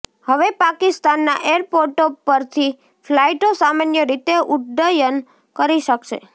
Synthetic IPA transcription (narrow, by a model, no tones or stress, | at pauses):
həʋepakɪst̪anːa̰ʔeɾpoɾʈopəɾt̪ʰi | flaiʈosamanjəɾit̪eʊʈɖ̪əjən | kəɾiʃəkʃḛ